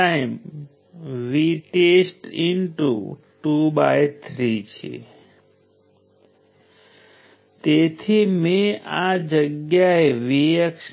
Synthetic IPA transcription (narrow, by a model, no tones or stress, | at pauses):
aim | ʋiʈesʈinʈṵʈubajt̪ʰɾit͡ʃʰḛ | t̪et̪ʰimẽad͡ʒəɡjaeʋijəkʃ